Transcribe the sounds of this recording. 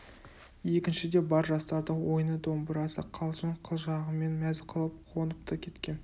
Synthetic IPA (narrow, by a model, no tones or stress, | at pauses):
je̞kʲɪnʃɪd̪e̞bɑɾʒɑst̪ɑɾd̪əwo̞jnəd̪o̞mbəɾɑsə̰qʰɑlˠʒəɴqʰəlˠʒɑʁəme̞nmæzqʰəlˠəp̚qʰonəp̚t̪əkʲʰe̞t̪kʲe̞n